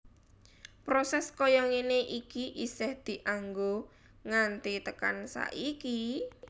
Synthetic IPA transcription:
pɾosɛskɔjɔŋeneʔikiʔisɛhd̪̥i̤ʔaŋɡo | ŋant̪it̪əka̰nsa̰ʔiki

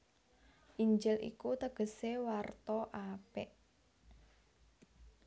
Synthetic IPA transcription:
ʔiɲd͡ʒɪlʔḭkut̪əɡ̥ə̤sewart̪ɔʔapeʔ

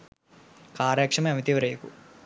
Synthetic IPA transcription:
kaːɾjɐkʂɐmɐɐmit̪iʋɐɾeːkṵ

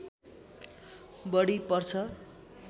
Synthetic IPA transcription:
bʌɽipʌrt͡sʰʌ

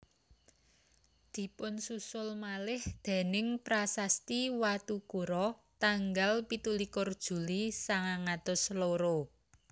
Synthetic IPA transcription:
d̪̥i̤pʊnsusʊlmalɪhd̪̥e̤nɪŋpɾasast̪iwat̪ukuɾɔt̪aŋɡalpit̪ulikʊrd̥ʒ̥ṳlisaŋaŋat̪ʊsloɾo

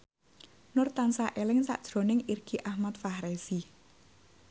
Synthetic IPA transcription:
nʊrt̪ansaʔelɪŋsa̰ʔd̥ʒ̥ɾo̤nɪŋirɡ̥iʔahmat̪̚fahɾesi

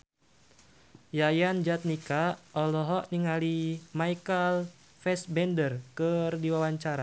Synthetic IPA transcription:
jajand͡ʒat̪̚nikaɔlɔɦɔʔniŋalimaikəl | fɛsbɛndərkərdiwawaɲt͡ʃaɾa

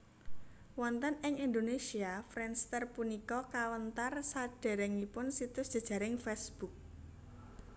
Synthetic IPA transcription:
wɔnt̪ənɪŋind̪onesiafɾɛnst̪ərpunikɔkawənt̪arsaɖ̥a̤ɾɛŋipʊnsit̪ʊsdʒ̥a̤̥ʒ̥ä̤ɾɪŋfɛsb̥uk̚

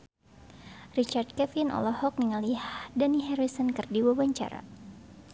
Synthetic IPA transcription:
rit͡ʃard̚kɛfinʔɔ̰lɔhɔk̚niŋalihdaniɦɛɾisənkɨrdiwabaɲt͡ʃa̰ɾa̰

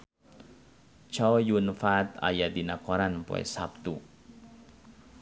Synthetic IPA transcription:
t͡ʃawjunfat̪a̰jadinakɔɾanpṵɛ̰sap̚t̪u

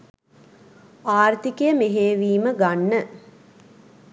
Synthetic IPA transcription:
aːrt̪ikejəmeɦeːʋiːməɡanːə

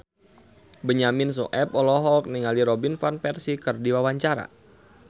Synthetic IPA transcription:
bəɲamins̬ɔ̰ʔɛpɔlɔɦɔlk̚niŋaliɾɔbinfanpɛrsikɨrdiwawaɲt͡ʃaɾa̰

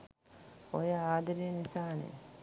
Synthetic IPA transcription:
ojəaːd̪ɐɾiənisaːnḛ

